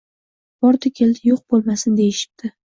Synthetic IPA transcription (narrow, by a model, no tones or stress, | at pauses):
bɒɾt̪ʰʊkʲʰeld̪ɪjoq̚bolˠmasɪnd̪e̞jɪʃɪ̥p̚t̪ʰɪ